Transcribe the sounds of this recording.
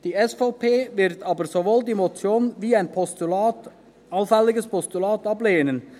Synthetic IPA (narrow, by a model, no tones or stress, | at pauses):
d̥iːɛsfɑpʰeːvɪʁtʰɑːbəɾz̥oʋoːldiːmot͡sjoːnʋiːaɪnpː | ɑlfɛlɪɡəspʰɔstulɑːtɑbleːnən